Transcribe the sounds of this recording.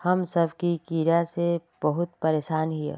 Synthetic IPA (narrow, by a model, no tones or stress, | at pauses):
hɐmsəbʱkikiːɾaseb̥əɦʊt̪̚pəɾeːʃaːnɦijḛ